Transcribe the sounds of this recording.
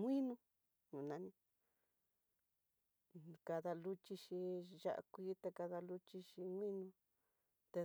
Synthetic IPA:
ŋʷĩ˦nũ˧ | nũ˨nã˨˧nĩ˧ | ka˧ða˧lu˦t͡ʃi˧ʃi˧ʒa̰˦ʔa̰˧kʷiː˦t̪e˧ka˧ða˧lu˦t͡ʃi˧ʃi˧ŋwĩ˦nũ˧ | t̪e˧

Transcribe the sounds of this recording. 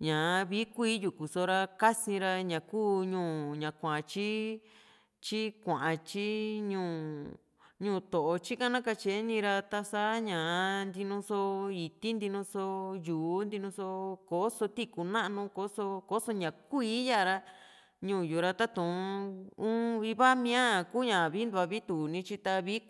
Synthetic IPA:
ɲã˨˧βi˦kʷiː˦ju˨ku˨so˧ɾa˧ka˦sĩ˧ɾa˧ɲã˨kuː˦ɲũː˧˨ɲã˨kʷã˨ʔt͡ʃi˦ | t͡ʃi˦kʷã˨ʔã˧t͡ʃi˦ɲũː˧˨ | ɲũː˦˧˨t̪o˨ʔo˧t͡ʃi˦kã˦nã˦ka˧t͡ʃe˨˧˦nĩ˧ɾa˧t̪a˧sa˦ɲã˨˧nd̪i˧nũ˧so˧i˧t̪i˦nd̪i˧nũ˧so˧juː˨˦nd̪i˧nũ˧so˧ko˨˦so˧t̪i˦ku˧nã˦ʔnũ˧ko˨˦so˧ko˦so˧ɲã˨kʷiː˧˦ja˦˨ɾa˧ | ɲũː˧˨ju˨ɾa˧t̪a˦t̪ũ˨˧ũ˦i˧βa˦mĩ˧˦ã˦˨ku˦ɲã˨βi˦nd̪u˧a˧βi˦t̪u˨nĩ˧t͡ʃi˧t̪a˧βi˦

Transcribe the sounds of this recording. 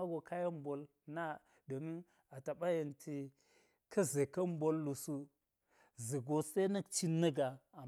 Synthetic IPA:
a˦ɡo˨ka˦ja˦m˦bo˨l | na˦ | do˨ni˦ | a˨ta˨ɓa˦jə˨ntʰi˨ | kʰɐ˦ze˨ka˦m˦bo˦lːu˨su˦ | zi˨ɡo˦se˦nə˦kt͡ʃi˦nːə˦ɡa˨a˨

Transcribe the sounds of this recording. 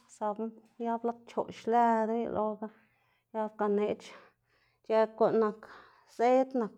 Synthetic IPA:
sa˧bu˦ | ja˦bla˦t̪̚t͡ʃo˨ʃlæ˧d̪a˦j̰lʔo˧ɡa˧ | ja˧bka˧ne˧t͡ʃ | t͡ʃe˧kʷa˧ʔna˨k | se˦t̪na˨k

